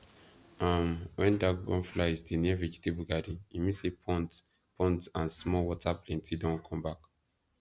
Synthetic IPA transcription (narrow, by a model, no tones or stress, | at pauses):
ʔamwʔɛ̃ndaɡɔ̰̃nflazdinɛvid͡ʒtebuɡadĩnimisepʰɔ̃nt | pʰɔ̃ntãnsmɔwɔtʰaplɛ̃ntʰidɔ̃nkʰɔ̃mbak